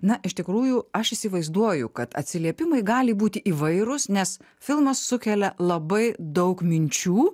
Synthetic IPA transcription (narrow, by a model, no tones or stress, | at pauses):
nɐʔɪʃʲt̪ʲɪkɾuːjʊɐʃɪsʲɪʋɐɪzd̪uɔjʊkɐt̪ɐ̰t̪ʲsʲɪlʲiɛpʲɪmɐɪɡɑːlʲɪbuːt̪ʲɪʔiːʋɐɪɾʊsnʲɛs | fʲɪlˠmɐsːʊkʲɛlʲɛlˠɐbɐɪd̪ɐʊkmʲɪnʲt͡ʃʲuː